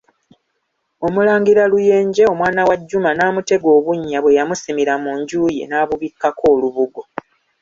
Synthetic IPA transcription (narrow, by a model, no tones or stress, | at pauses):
o̞mulaːŋɡiɾaluje̞ːɲɟeo̞mwaːnawaɟːumanaːmute̞ɡo̞ːβuɲːaβwe̞jamusimiɾamuːɲɟuːje̞̰naːβuβikːakʰo̞ːluβuɡo̞